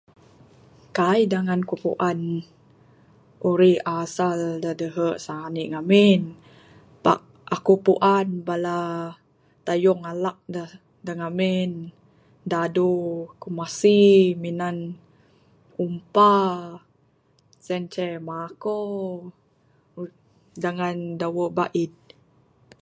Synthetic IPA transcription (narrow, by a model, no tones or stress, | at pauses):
kajdaŋankupṵʔan | ʔuɾihasaldədəɦəʔsaaniʔŋamin | pa̰ʔ̚ | akupuʔanbala | t̪ajɔŋalak̚də | dəŋamin | dadukumasiminan | umpa | sɛnt͡ʃɛmako | daŋandawəʔbaʔid̪̚